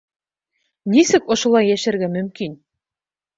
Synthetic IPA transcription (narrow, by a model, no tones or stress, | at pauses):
nisɘkŏʃŏlˠɑjːæʃɘ̆ɾɡæmɵ̆mkin